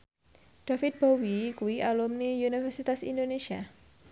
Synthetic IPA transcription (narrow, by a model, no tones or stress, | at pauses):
ɖ̥afit̪̚b̥owikuwiʔalumniunifɛrsit̪asḭndonesia